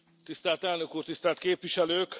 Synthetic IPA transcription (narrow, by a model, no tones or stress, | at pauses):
t̪ist̪æːlt̪ɛlnø̞kuːrt̪ist̪æːlt̪keːpʋiʃɛløːk